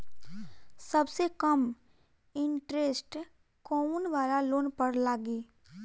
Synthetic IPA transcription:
sɐbsekəm | ɪ̃ɳʈɾesʈ | kɔːnʋaːɾaloːnpəɾlaːɡiː

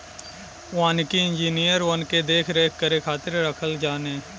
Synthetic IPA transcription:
ʋaːnkiɪ̃nd͡ʒiːnijəɾʋɐnked̪eːkʰɾeːkʰːəɾekʰaːt̪ɪɾɾəkʰəld͡ʒaːneː

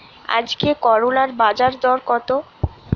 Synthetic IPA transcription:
a̰d͡ʑkekɔɾolaɾbad͡ʑaɾd̪ɔɾkɔt̪o

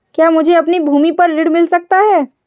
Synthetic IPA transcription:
kjaːmʊd͡ʒʱeɐpnibʱuːmipɐɾlɪɽmɪlsɐk̚t̪aɦɛː

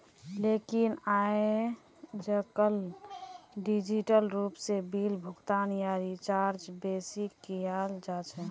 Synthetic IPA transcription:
lekinae | d͡ʒəkəl | ɖid͡ʒiʈəlɾupsebilbʱuɡt̪anijaɾit͡ʃaɾd͡ʒbesikːiald͡ʒat͡ʃʰɛ

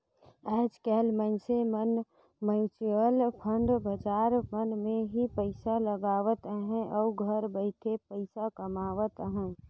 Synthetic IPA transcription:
ɛːd͡ʒkɛːlmənsemən | məjt͡ʃjəlpʰəɳɖbəd͡ʒaːɾmənmẽɦipəɪsaləɡaːʋət̪ɦɛ̃ʔɔːɡʱəɾbəɪʈ̪ʰepəɪsakəmaːʋət̪ɦɛ̃

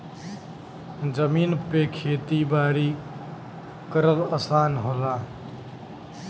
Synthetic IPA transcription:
d͡ʒəmiːnpeːkʰeːt̪iːbaːɽiː | kəɾələsaːnɦoːlaː

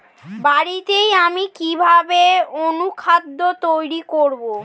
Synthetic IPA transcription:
baɽit̪ejamikibʱabeonukʰad̪ːot̪ojɾikoɾbo

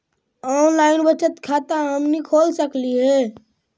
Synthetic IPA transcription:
ɔnlaɪnbət͡ʃət̪kʰat̪ãɦəmnikʰolsəkliɦɛ

